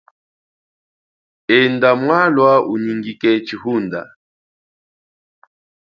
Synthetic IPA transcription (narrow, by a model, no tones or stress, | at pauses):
ɛndamwalwauɲiŋɡikɛt͡ʃihunda̰